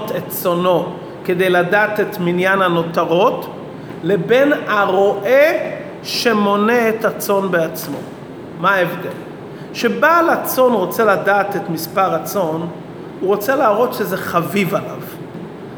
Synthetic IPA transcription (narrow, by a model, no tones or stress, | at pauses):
t̪ett͡so̞no̞ | ke̞d̪e̞jladaːt̪et̪minjanhano̞taʁo̞t | le̞be̞naʁo̞ʔe | ʃe̞mo̞neetat͡so̞nbeat͡smo̞̰ | maaevd̪ḛl | ʃebalat͡so̞nʁo̞t͡seladaːt̪etmispaʁat͡so̞n | uʁo̞t͡selaːʁo̞t̪ʃezeχavivala̰v